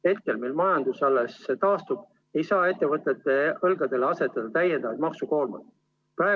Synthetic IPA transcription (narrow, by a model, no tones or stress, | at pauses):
he̞t̪̚ke̞lmilmɑjɑnd̪̥usɑlːeset̪ɑːst̪ub̥ | e̞jsɑːe̞t̪ːe̞vɤt̪ːˑe̞t̪ːˑe̞ɤlɡ̥ɑd̪̥e̞leɑse̞t̪ːˑɑd̪̥ɑt̪æjːend̪̥ɑvɑt̪̚mɑksuko̞ːlmɑ̰d̪ | pæe